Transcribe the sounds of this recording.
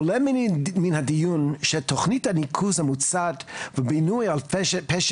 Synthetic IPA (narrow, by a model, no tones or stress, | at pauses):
lɛmminhadijunʃɛtʰɔχnithanikʰuzhamut͡sadvəbinujalˠpɛʃ